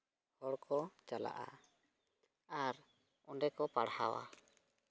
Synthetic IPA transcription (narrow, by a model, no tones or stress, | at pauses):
hɔɽkɔt͡ʃala̰ʔa̰ | aɾ | ɔnɖɛkɔpaɽha̰wa̰